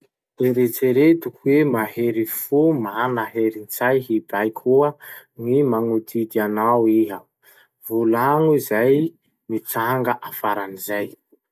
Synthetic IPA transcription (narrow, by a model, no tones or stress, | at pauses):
eɾet͡seɾet̪ukuwemaheɾifumanaɦeɾint͡sajɦibajkʰuəŋimaŋud̪id̪ianawiɦa | vulaŋuizaj | mit͡saŋɡaʔafaɾanizaj